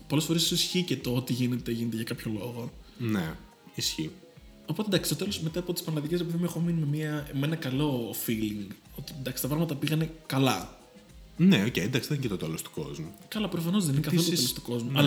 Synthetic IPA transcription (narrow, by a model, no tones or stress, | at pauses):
polesfo̞ɾessosisçicet̪oot̪iʝine̞t̪eʝinet̪eʝɐkɐpço̞lo̞ɣo̞ne | isçio | opo̞t̪end̪ɐksi̥t̪ot̪e̞losmet̪ɐːpot̪ispɐnɐlɐðiceɾepiðimuexominimemiɐmenɐkɐlo̞filiŋɡ | o̞t̪ind̪ɐksi̥t̪ɐpɾɐɣmɐt̪ɐpiɣɐne̞kɐlɐ | neocejend̪ɐksiðencet̪ot̪elost̪u̥ko̞̰zmukɐlɐpɾofɐno̞zðe̞ninekɐθoot̪elst̪u̥ko̞zmuɐl